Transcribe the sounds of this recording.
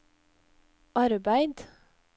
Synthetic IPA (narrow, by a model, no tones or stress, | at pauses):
ʔɑɾbæɪd̪